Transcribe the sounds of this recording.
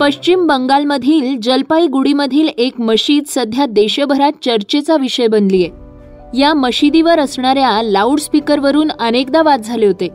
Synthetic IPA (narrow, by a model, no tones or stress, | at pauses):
pəɕt͡ɕimbəŋɡalməd̪ʱiːld͡ʑəlpaiɡuɽiməd̪ʱiːlekməɕiːd̪səd̪ʱjad̪eɕəbʱəɾat̪̚t͡ɕəɾt͡ɕet͡saʋiɕəjbənd̪lije | jaməɕid̪iʋəɾəsɳaɾjalauɽspikəɾʋəɾuːnənekd̪aʋat̪̚d͡zʱaleɦot̪e